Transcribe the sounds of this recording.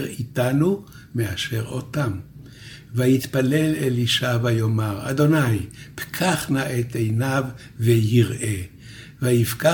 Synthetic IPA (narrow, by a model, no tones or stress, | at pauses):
ʁit̪anu | meaʃe̞ʁo̰t̪am | vajit̪pale̞leliʃavajomaʁa̰d̪o̞najpkʰaχnaʔet̪ejnav | vejiʁʔe | vajifka